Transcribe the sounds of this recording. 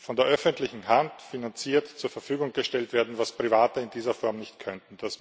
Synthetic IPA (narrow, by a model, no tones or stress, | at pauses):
fɔndeːɐʔœfəntlɪçŋ̩ɦantfinant͡siːɐtt͡suːɐfɛɐfyːɡʊŋɡ̥əʃtɛltv̥eːɐdn̩vaspʁ̥ivaːtəɪndiːzɐfɔɐmnɪçtkʰœntn̩d̥as